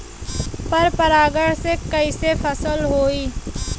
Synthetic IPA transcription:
pɐɾpɐɾaːɡəɽsekɐisepʰɐsəlɦoːiː

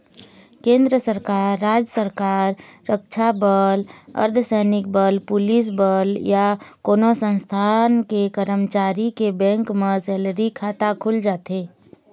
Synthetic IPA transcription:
kẽːnd̪ɾəsəɾkaːɾːaːd͡ʒəsəɾkaːɾːək̚t͡ʃʰabələ̰ɾd̪ʰʱəsɛnɪk̚bəlpʊlis̬bəljakoːnosə̃nst̪ʰankekəɾəmt͡ʃaːɾikebɛ̃ŋkmesɛːlɾikʰat̪akʰʊld͡ʒaːt̪eː

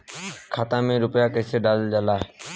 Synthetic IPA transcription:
kʰaːt̪ãːmẽːɾʊpjaːkəːseːɗaːld͡ʒalaːɦe

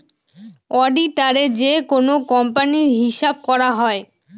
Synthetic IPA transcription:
ɔɖiʈaɾed͡ʑekonokɔmpaniɾɦiʃab̚kɔɾaɦɔe

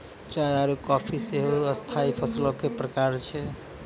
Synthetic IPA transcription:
t͡ʃajaɾukɔpʰiseɦoəst̪ʰaipʰəslokepɾəkaɾt͡ʃʰɛ

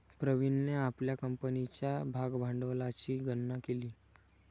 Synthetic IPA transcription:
pɾəʋinneapljakəmpənit͡ɕjabʱaɡbʱãɳɖəʋlat͡ɕiːɡənːakeliː

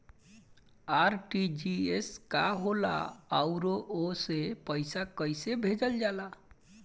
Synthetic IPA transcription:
aɾʈid͡ʒieskaɦola̰əʊɾoʔosepəjsakəjsebʱed͡ʒəld͡ʒala

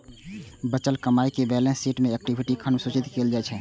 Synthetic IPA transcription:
bət͡ʃəlkəmaːikebɛlẽseːʈmẽɛk̚ʈibʱiʈikʰənusut͡ʃɪt̪keːld͡ʒaɛt͡ʃʰɛ

